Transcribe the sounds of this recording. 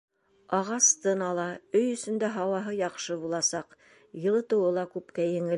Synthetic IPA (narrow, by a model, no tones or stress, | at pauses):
ɑʁɑst̪ɤnɑlˠɑɵjɵ̆sɵ̆nd̪æɦɑwɑɦɤjɑqʃɤbulˠɑsɑq | jɤ̆lˠɤ̆t̪ɤ̆wɤlˠɑkʉpkæjɘ̆ŋɘl